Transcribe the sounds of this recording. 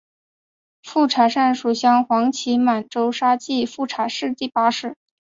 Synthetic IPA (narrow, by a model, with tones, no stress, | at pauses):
fu˥˩ʈ͡ʂʰa˨˩ʂa˥˩nʂu˨˩ɕjɑ˥ŋxwɑ˧˥ŋt͡ɕʰi˧˥ma˨˩nʈ͡ʂo˥ʊʂa˥t͡ɕi˥˧fu˥˩ʈ͡ʂʰa˨˩ʂɻ̩˥˧t̪i˥˩pa˧˥ʂɻ̩˨˩˦